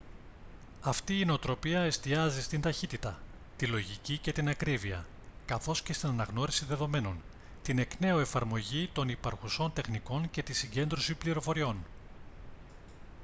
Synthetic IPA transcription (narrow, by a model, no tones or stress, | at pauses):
ɐft̪iːneot̪ɾo̞piɐe̞st̪iɐzist̪ind̪ɐçit̪it̪ɐ | t̪ilo̞ʝicice̞t̪inɐkɾiviɐ̰ | kɐθo̞sce̞st̪inɐnɐɣno̞ɾisiðe̞ðo̞me̞no̞n | t̪ine̞kne̞oe̞fɐɾmo̞ʝit̪o̞nipɐɾxuso̞nt̪e̞xniko̞nce̞t̪isiɲɟe̞nd̪ɾo̞sipliɾo̞fo̞ɾio̞n